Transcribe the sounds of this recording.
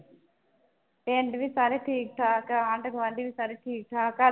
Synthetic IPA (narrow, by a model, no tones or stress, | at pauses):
eɳɖiʋisaːɾiʈʰiːk̚ʈʰaːkaaːɳʈɐkʋɐɳɖiʋisaːɾiʈʰiːk̚ʈʰaːka